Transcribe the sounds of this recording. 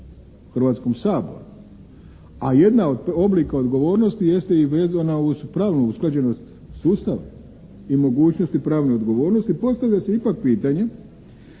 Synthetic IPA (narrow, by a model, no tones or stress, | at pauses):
xr̩ʋat̪sko̞msaːbo̞̰ɾu | aje̞d̪naod̪o̞blikao̞d̪ɡo̞ʋo̞ːɾno̞st̪ije̞st̪eiʋeːzanauzpɾaːʋnuusklad͡ʑe̞no̞st̪ | suːst̪aʋa̰ | imo̞ɡuːt͡ʃno̞st̪ipɾaːʋneo̞d̪ɡo̞ʋo̞ːɾno̞st̪ipo̞st̪aʋʎʲaseipak̚piːt̪aɲe̞